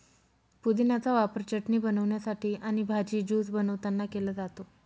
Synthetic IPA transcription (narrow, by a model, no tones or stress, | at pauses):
pud̪inat͡saʋapəɾt͡ɕəʈɳiːbənəʋɳjasaʈiːʔaɽ̃ibʱad͡ʑiːd͡ʑuːsbənəʋt̪anːakeləːd͡zat̪o